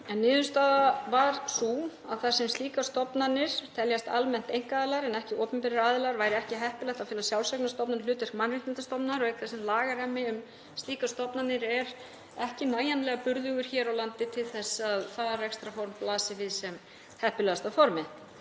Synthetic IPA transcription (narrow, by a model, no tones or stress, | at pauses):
ɛnːɪːðʏst̪aːðavaɾsuaðθḁsɛmst̪iːkast̪ɔpnanɪɾ̥t̪ʰɛljast̪almɛn̥t̪ejŋkaːðɪlaɾɛnɛhcɪoːwpʏmpɛɾɪɾaːðɪlaɾvaːjɾɪɛhcɪɦɛhpɪlɛht̪afɪlasjawlsɛknast̪ɔpnanlʏːt̪ɪɾ̥kmanrɪht̪ɪnt̪ast̪ɔpnaɾɔɣɛk̪θḁsɛmlaːɣaramːɪʏm | st̪iːkast̪ɔpnanɪɾɛɾ | ɛhcɪnaːjanlɛːɣapʏɾðʏɣʏɾ̥çɛːɾawlant̪ɪt̪ʰɪlθɛsːaðθaðarɛkst̪ɾafɔɾmplaːsɪvɪðsɛm | hɛhpʏlɛast̪awfɔɾmɪ